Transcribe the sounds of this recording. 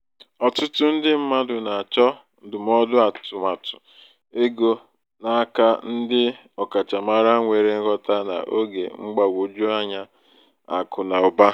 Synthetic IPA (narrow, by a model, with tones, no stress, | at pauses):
ɔ˨tʊ˦tʊ˦n̩˦dɪ˦m̩˦ma˦dʊ˨na˨a˨t͡ʃɔ˦˨ | dʊ˨m˦ɔ˦dʊ˦a˨tʊ˨ma˨tʊ̥˨ | e˦ɡo˦ | na˨˦ka˦n̩˦dɪ˦ | ɔ˨ka˨t͡ʃa˨ma˨ɾa˦ŋʷe˨ɾe˦ɣɔ˦ta˦na̰˨ʔo˦ɡḛ˨ŋ͡m̩˦ɡ͡ba˨ɡʷo˨d͡ʒu˦a˦ɲa˦ | a̰˨kʊ˨na˨ʊ˨ba˦